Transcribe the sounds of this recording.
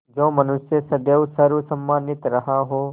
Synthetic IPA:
d͡ʒõːmɐnʊsjəsɐd̪jəʋsɐɾusɐmːaːnɪt̪ɾɐɦaɦoː

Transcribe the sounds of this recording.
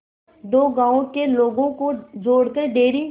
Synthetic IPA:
d̪oːɡãːõkeloːɡõkozoːɽkəɖeːɾi

